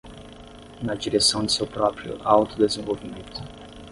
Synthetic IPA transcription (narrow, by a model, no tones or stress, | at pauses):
nɐd͡ʒiɾesɐ̃w̃d͡ʒɪsewpɾɔpɾijʊ̰ʔawt̪ʊd̪ezẽvowvimẽnt̪ʊ̥